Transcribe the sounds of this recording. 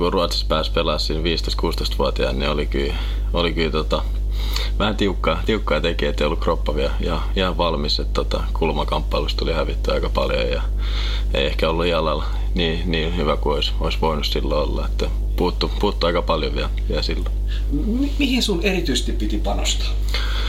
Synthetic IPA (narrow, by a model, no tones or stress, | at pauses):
kuruɑt̪si̥spæːspelɑsːinʋiːst̪oist̪kuːst̪oist̪ʋuɑt̪iɑ̰nnḭolikyː | olikyːt̪ot̪ɑ | ʋæhænt̪iukːɑt̪iukːɑːt̪ekiːet̪ːeijolukropːɑʋiæihɑ | ihɑʋʋɑlmiset̪t̪ot̪ɑ̰kulmɑkɑmpːɑlust̪olihæʋit̪ːyɑ̰ikɑpɑ̰ljo̰jjɑ̰ | ḛiehkæolːuihɑlɑl | niː | niːnhyʋækuoisoisʋoinussilːoolːɑ̰et̪ːæ | puːt̪ːupuːt̪ːuɑikɑpɑljoʋiælʋiæsilːo | mimihinsunerit̪yise̥st̪ippit̪ipɑnost̪ɑ̥